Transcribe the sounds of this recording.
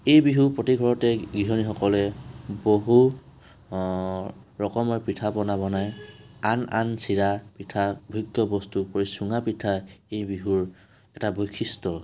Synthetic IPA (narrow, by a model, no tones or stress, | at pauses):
ejbiɦupɹɔtiɡʱɔɹɔtɛɡiɦɔnixɔkɔlɛboɦu | ɹɔkɔmɔɹpitʰapɔnabɔnajana̰nsiɹapitʰabʱukːɔbɔstupoɹisuŋapitʰaejbiɦuɹ | ɛtabojkʰːistɔ